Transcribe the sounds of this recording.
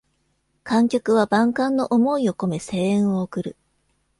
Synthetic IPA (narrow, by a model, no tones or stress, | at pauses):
kãŋkʲokɯ̟βabãŋkãnːo̞ʔomo̞io̞ko̞me̞se̞ːẽɰ̃o̞ːkɯ̟ɾɯ̟